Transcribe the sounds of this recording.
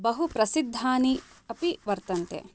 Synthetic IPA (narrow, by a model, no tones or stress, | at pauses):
bɐɦupɾɐsid̪ʱːaːni | ɐpiʋɐɾt̪ɐnt̪ḛ